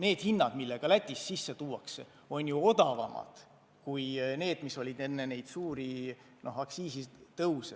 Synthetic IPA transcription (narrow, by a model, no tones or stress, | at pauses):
ne̞ːd̪̥hinːɑd̥̪milːe̞ɡ̥ɑlæt̪ʲːˑisːisːe̞t̪uːwɑkse | o̞nʲjuo̞d̪̥ɑvɑ̰mʔɑ̰d̪̥ | kujne̞ːd̪̥miso̞lʲid̪e̞nːene̞jd̪̥suːɾi | nʔo̞ɦɑksiːsit̪ɤwse